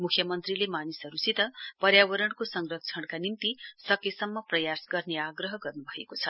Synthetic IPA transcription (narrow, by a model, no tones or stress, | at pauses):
mukʰjʌmʌnt̪rilemanisʌɾusit̪ʌpʌɾjawʌɾʌɽkosʌŋrʌk̚t͡sʰʌɽkanint̪isʌkesʌmːʌprʌjasɡʌrneaɡrʌɦʌɡʌrnubʱʌekot͡sʰʌ